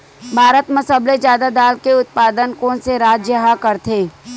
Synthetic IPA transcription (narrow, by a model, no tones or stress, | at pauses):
bʱaːɾət̪mɐsəblezjaːd̪ad̪aːlkeʊt̪̚paːd̪ənkõseɾaːd͡ʒjəɦakɐɾt̪ʰeː